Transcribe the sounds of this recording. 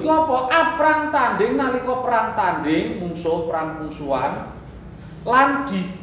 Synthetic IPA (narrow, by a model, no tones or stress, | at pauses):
kɔpɔʔapɾaŋt̪anɖɪŋnalikɔpəɾaŋt̪anɖɪŋmuŋsopəɾaŋmuŋsua̰n | land̪̥i̤